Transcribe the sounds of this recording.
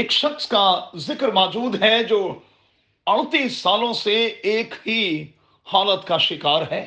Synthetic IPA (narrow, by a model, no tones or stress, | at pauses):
ɪkʃɐkskazɪkɾmɔːd͡ʒuːd̪ɦɛd͡ʒoː | ɐɽt̪iːsːaːlõseeːkɦi | haːlət̪kaʃɪkaːɾɦɛː